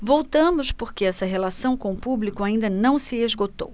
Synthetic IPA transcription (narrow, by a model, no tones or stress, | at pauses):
vowt̪ɐ̃mʊspoɾkeɛsɐɦelasɐ̃w̃kõʊpublikʊaĩnd̪ɐnɐ̃w̃sɪezɡot̪o̰w